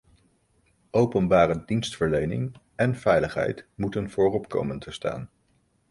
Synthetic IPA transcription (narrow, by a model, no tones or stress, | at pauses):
ʔowpənbaːrədinstfəɹlejnɪ̰ŋ | ɛnv̥ɛjləχɦɛ̰jtmutənvʊːrɔpko̰wməntəsta̰ːn